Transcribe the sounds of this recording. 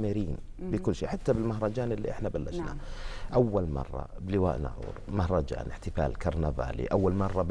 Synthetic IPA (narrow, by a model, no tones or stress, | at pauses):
mɪɾiːn | bɪkʊlːʃiːħat̪ːabɪlmaɦɾˤɑd͡ʒaːnɪlːḭʔɪħnabalːaʃnaʔawːalmɑ̰rˤːɑ̰bɪlɪwa̰ːʔna̰ʕṵːɾmahɾˤɑd͡ʒa̰ːnʔɪħt̪ɪfaːlkɑɾˤnava̰ːlḭʔawːalmɑrˤːɑb